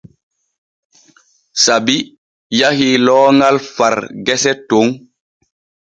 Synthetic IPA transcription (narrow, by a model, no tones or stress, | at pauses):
sabi | jahilɔːŋalfaɾɡɛsɛtoŋ